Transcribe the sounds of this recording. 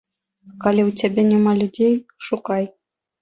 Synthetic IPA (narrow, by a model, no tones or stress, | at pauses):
kɑlʲiutʲebʲenʲimɑlʲudʲejʃukɑj